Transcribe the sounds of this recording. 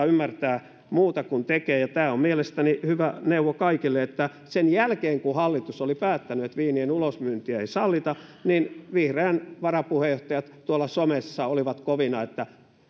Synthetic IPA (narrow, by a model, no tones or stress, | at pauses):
ymːært̪æː | muːt̪ɑkunt̪ekeːjɑt̪æːommielest̪ænihyʋæneuʋokɑikilːeet̪ːæ | senjælkeːŋkuhɑlːit̪usolipæːt̪ːænyet̪ʋiːnienulosmyːnt̪iæeisɑlːit̪ɑninʋihreːnʋɑrɑpuhejoht̪ɑjɑt̪tuolːɑsomesːɑoliʋɑt̪koʋinɑet̪ːæ